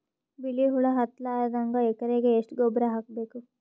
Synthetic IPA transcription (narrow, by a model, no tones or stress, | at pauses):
biliɦuɭɐɦɐt̪laːɾɐd̪aŋɡaɛkɐɾeɡeːʂʈɡɔbɾɐɦaːk̚beːku